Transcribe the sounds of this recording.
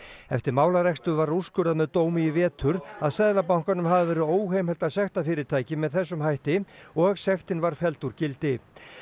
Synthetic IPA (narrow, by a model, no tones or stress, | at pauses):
ɛft̪ɪɾmaːwlaɾɛkst̪ʏvaɾu̥skʏɾaðmɛðt̪oːwmiɪvɛːt̪ʰʏɾaðsɛðlap̬awŋ̥kanʏmɦavavɛːɾɪðoːwhejmhɛlt̪aðsɛxt̪afɪːɾɪɾt̪ʰaːjcɪmɛðθɛsːʏmɦajht̪ɪɔɣsɛxt̪ɪnvaɾ̥fɛlt̪uɾcɪlt̪ɪ